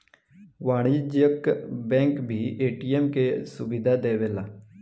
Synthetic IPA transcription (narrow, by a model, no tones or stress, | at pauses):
ʋaːɽ̃id͡ʒjəkbɛ̃ːŋkbʱiːeːʈiːɛːmkesʊbɪd̪ʱad̪eːʋeːlaː